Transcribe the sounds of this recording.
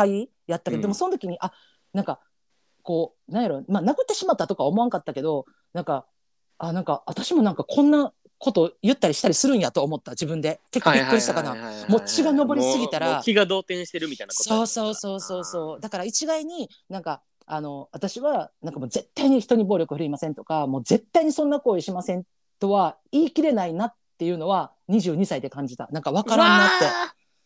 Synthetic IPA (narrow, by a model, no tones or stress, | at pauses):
kai | jat̪ːaked̪d̪emoso̞not̪o̞kʲiɲ̟iʔa | nãŋka | ko̞ː | nãɰ̃jaɾo̞manakɯt̪ːe̞ɕimat̪ːat̪o̞kaβomo̞aŋkat̪ːake̞d̪o̞ | nãŋka | anãŋkaat̪aɕimo̞nãŋkakʰõ̞nːa | ko̞t̪o̞jɯ̟t̪ːaɾʲiɕi̥t̪aɾʲisɨɾɯ̟̃ɰ̃jat̪oːmo̞t̪ːad͡ʑibɯ̟̃nd̪e̞kekːoikːɯɾiɕi̥t̪akanamo̞t͡ɕiɡanobo̞ɾʲisɨɡʲit̪aɾakʲiɡad̪o̞ːt̪ẽ̞ɕi̥t̪e̞ɾɯ̟mʲit̪ajnaso̞ːso̞ːso̞ːso̞ːso̞ːd̪akaɾait͡ɕiɡaiɲ̟i | nãŋka | ano̞βat̪aɕiβanãŋkamo̞ːze̞t̪ːaiɲ̟içi̥t̪o̞ɲ̟iboːɾʲo̞kɯ̟ɸɯɾ̟imasẽ̞nt̪o̞̥kamo̞ːze̞t̪ːaiɲ̟isõ̞nːako̞ːiɕimasẽ̞n | t̪o̞βa | iːkʲiɾe̞nainat̪ːe̞jɯ̟ːno̞βa | ɲ̟iʑɨːɲ̟isaid̪e̞kãɲ̟d͡ʑit̪a̰nãŋkaβ̞akaɾãnːat̪ːe̞